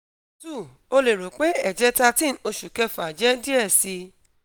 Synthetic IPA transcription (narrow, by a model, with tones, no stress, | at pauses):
tu˦˨ | o˧le˨ɾo˨k͡pe˨˦ɛ˦˨d͡ʒɛ˨˦ta˧tĩ˦n̩˦o˧ʃu˨kɛ˧fa˨d͡ʒɛ˦di˦ɛ˦˨si˧